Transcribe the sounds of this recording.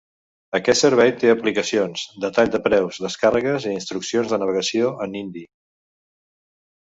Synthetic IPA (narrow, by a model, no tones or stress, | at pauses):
əkɛt̪səɾβɛjt̪eəplikəsionz̥d̪ət̪aʎd̪əpɾɛwzðəskarəɣəziinst̪ɾuksionzðənəβ̞əɣəsioʔənind̪i